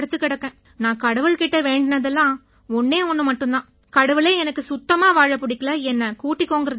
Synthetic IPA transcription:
ɽɯt̪ːɯkːɪɽɐkːẽː | nãːkɐɽɐʋɯɭkɪʈːɐʋeːɳɖɪnɐðɛlːãː | ɔnːeːɔnːɯmɐʈːɯ̃nt̪ãː | kɐɽɐʋɯɭeːɛnɐkːɯsʊt̪ːɐmaːʋaːɻɐpːʊɽɪkːɐlɐɛnːɐkuːʈːɪkːoːŋɡɪɾɐð

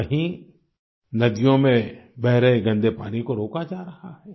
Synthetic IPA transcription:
kɐɦĩ | nɐd̪ijõmẽbɛɦɾəeɡɐ̃nd̪epa̰ːnikoɾoːkad͡ʒaːɾɐhaɦɛː

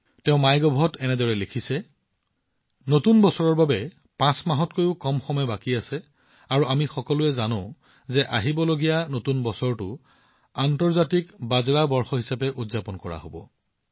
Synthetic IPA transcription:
tɛʊ̃majɡɔbʱɔtɛnɛdɔɹɛlekʰisɛ | notunbɔsɔɹɔɹbabɛ | pãsmaɦɔtkojʊkɔmxɔmɔɛbakiasɛ | aɹuamixɔkɔlʊɛzanʊ̃ʊ̃ | zɛʔaɦibɔloɡijanotunbɔsɔɹtʊ | antɔɹzatikbazɹabɔɹxɔɦisapɛʔudzapɔnkɔɹa̰ɦobɔ̰

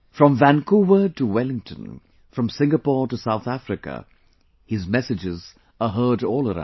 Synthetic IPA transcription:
fɹʌ̃ɱvæ̃nkʰuvətəwɛlɪ̃ŋtʰə̰̃n | fɹʌ̃msɪ̃ŋɡəpɔɹtəsaʊθæfɹɪkə̰ | hɪzmɛsɨd͡ʒɪz | əɦɜ˞ɾɔlˠəɾã̰

